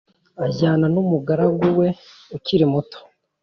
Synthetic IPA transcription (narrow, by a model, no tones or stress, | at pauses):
aɟaːnanumuɡaɾaɡuwe̞ | uciɾimuto̥